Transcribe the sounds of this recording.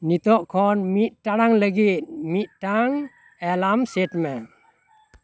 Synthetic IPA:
nit̪ɔʔkʰɔnmit̪̚taɾaŋləɡit̪̚miʔ̚taŋ | ɛlamset̪mɛ

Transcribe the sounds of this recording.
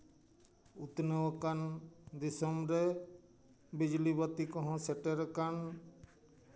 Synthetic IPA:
ut̪nəwɔkand̪isɔmɾɛ | bid͡ʒlibat̪ikɔ̃ɦɔ̃sɛʈeɾkan

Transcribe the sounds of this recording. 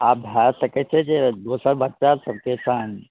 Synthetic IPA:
aːp̚bʱasɐket͡ʃʰed͡ʒed̪oːsəɾbətːʃasɐb̚kesãːn

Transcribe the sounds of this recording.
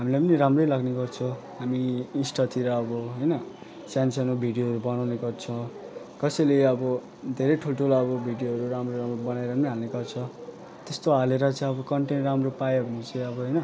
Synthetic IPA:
ɦamilajpʌniɾamrʌjlaɡneɡʌrt͡sʰʌ̃ | ɦamiinsʈʌt̪ʰiɾʌːbʌɦʌjnʌ | sjansʌnobʱiɖijoɦʌɾubʌnawneɡʌrt͡sʰʌ | kʌsʌjleʌbʌ | d̪ʱeɾʌjʈʰulʈʰulʌbʌbʱiɖijoɦʌɾuɾamroɾamrobʌnaeɾʌpʌniɦalneɡʌrt͡sʰʌ | t̪est̪oaleɾʌt͡sʌĩʌbʌkʌɳʈenʈramropajunut͡sʌ̃j̃ʌbʌɦʌjnʌ

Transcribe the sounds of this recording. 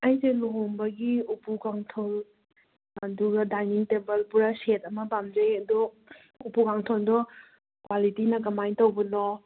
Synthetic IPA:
ɐjseloɦombɐɡiupukaŋtʰol | ɐduɡɐdajniŋtebɐlpuɾɐset̚ɐmɐbamd͡ʒejɐdɔ | upukaŋtʰoldɔ | kwalitinɐkɐmajntɐwbɐnɔ

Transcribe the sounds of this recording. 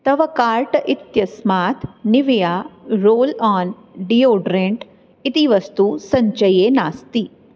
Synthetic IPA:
t̪ɐʋɐkaːɾʈɐʔɪt̪jɐsmaːt̪ʰnɪʋijaːɾoːlaːn | ɖijoːɖɾẽɳʈ | ɪt̪iʋɐst̪usɐɲt͡ʃɐjeːnaːst̪i

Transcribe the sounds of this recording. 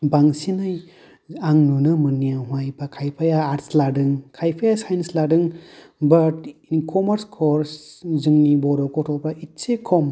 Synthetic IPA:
baŋsinaj | aŋnunɯmɯnijaɦũajpakʰajpʰajaːɾsladɯŋkʰajpʰajasajnsladɯŋ | bɐtinkʰɔmɐɾskʰɔɾszɯŋnibɔɾɔkɔtʰɔpɾaʔitsekʰɔm

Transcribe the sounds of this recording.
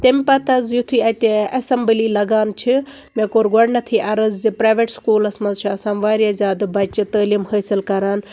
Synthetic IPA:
t̪empɐt̪ɐzjut̪ʰuiːɐt̪eɐsɐmbəliːlɐɡaːnt͡ʃʰi | mẽːkoːɾɡɐɽnɐt̪ʰiʔɐɾɐzzipɾaːʋeʈskuːlɐsmɐnzt͡ʃʰuɐsaːnʋaːɾjazʲjaːd̪bɐt͡ʃɨt̪əːliːmhəːsilkɐɾaːn

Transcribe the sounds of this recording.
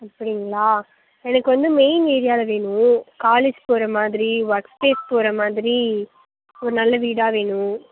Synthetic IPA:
ɐpːɐɽɪŋɡɐɭaː | ɛnɐkːɯʋɐnd̪ɯmeɪneːɾɪjaːlɐʋeːɳʊ̃kaːleːd͡ʒpoːɾɐmaːðɪɾiʋɐɾkspeːspoːɾɐmaːðɪɾi | ɔɾɯnɐlːɐʋiːɽaːʋeːɳʊ̃

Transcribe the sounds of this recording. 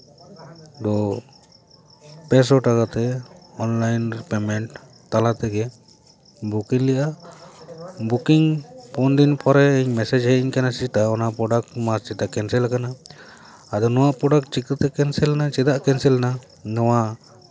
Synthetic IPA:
d̪ɔ | pɛs̬ɔʈakat̪ɛɔnlajnɾpɛmɛɳʈ | t̪alat̪ɛɡɛ | bukiŋlɛʔa | bukiŋpʰɔnd̪inpʰɔɾɛːɲmɛsɛd͡ʒɦɛʔiɲkanasit̪aɔnaʔpɾɔɖak̚mast͡ʃɛt̪akɛnsɛlakana | ad̪ɔnɔwaʔpɾɔɖakt͡ʃikət̪ɛkɛnsɛlnat͡ʃɛd̪aʔkɛnsɛlna | nɔwaʔ

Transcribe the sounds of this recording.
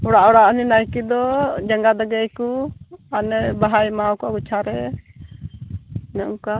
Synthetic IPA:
ɔɽaʔɔɽaʔninajkid̪ɔd͡ʒaŋɡad̪aɡɛjkuanɛbaɦajmawkuaɡut͡ʃʰaɾɛ | nɛʔuka

